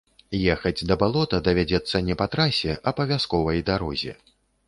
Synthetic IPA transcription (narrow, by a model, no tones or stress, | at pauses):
jɛxɐd͡zʲd̪ɐbalˠɔt̪ɐd̪ɐvʲad͡zʲɛt̪sːɐnʲɛpat̪ɾasʲɛʔɐbɐvʲaskɔvɐjd̪aɾɔ̰zʲɛ̰